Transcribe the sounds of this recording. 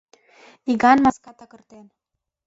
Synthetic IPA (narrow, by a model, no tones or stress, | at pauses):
iɡɑnmɑskɑt̪ɑkə̆rt̪en